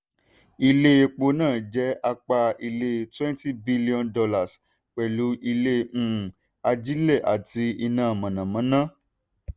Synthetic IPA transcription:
i˧le˦e˧k͡po˧˨nãː˦˨d͡ʒɛ˨˦a˧k͡pa˧i˧le˧˦˧twɛ̃˦nti˦bi˦li˦ɔ̃˧ndɔ˧la˨s | k͡pɛ˨lu˨˦ʔi˧lẽ˦˨ | a˧d͡ʒi˦le˦˨ʔa̰˨ti˧i˧nãː˨˦˨mã˨nã˨mã˨˦nã˦

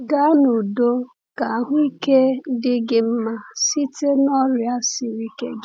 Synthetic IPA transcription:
ɡa˦nu˨do˦ | ka˨a˨ɦʊ˦i˦ke˦dɪ˦ɡɪ˦m̩˦ma˨si˦te˦nɔ˦ɾja˦sɪ˨ɾi˦kḛ˦ɡ

